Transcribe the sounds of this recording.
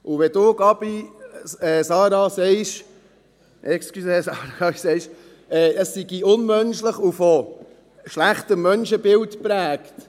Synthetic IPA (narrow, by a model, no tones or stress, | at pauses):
ʔuʋɛd̥ʊːɡɑb̥i | ɛːsɑːɾɑsɛɪʃ | ʔɛkskysesɑːɾɑɡɑbisɛɪʃ | ɛːəsːiɡiʊnmœnʃləχufɔ | ʃlæχtəmːœnʃəbɪltpɾæːkt